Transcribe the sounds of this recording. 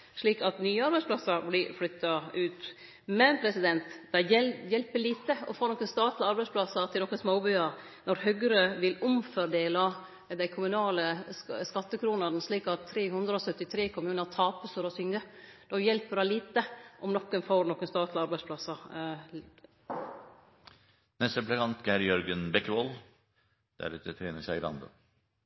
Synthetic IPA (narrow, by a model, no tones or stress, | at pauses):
ʂɭiːkɑt̪nyːəɑɾbæɪsplɑsəɾblɪflʏt̪ːɑʉːt̪ | mɛnpʰɾɛsɪd̪ɛnt̪d̪̥æɛjɛlpəɭiːt̪əɔfoːnɔkːənst̪ɑːt̪lɪɑɾbæɪspʰlɑsəɾt̪ʰɪlɔkːənsmoːbʏɑɾ | nɔɾhœɡɾəʋɪlʊmfɔɾd̪eːlɑ | d̪æɪkʰʊmʉnɑːləskɑt̪ːəkʰɾuːnəɾnəsliːkɑt̪ʰːɾeːɦʉnd̪ɾəɔsœt̪ːɪt̪ʰɾeːkʰɔmːɾʉnɑt̪ʰɑːpəsɔɾɔsʏŋəd̪̥ɔjɛlpːəɾæliːt̪əʔɔmnɔkːənfoːɾnɔkːənst̪ɑːt̪lɪɑɾbæɪspʰlɑsɑɾ | nɛst̪əəpləkʰɑnt̪ɡæɾjœɾɡənbɛkːəʋɔl | d̪̥æ̰ɖɛt̪ɛt̪ʰɾeːnəsæɪɪɾɑ̰nd̪ə̰